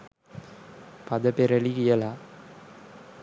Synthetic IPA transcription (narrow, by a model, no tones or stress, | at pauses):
pɐðɐpɛɾɐɭiɣɪjɐlaː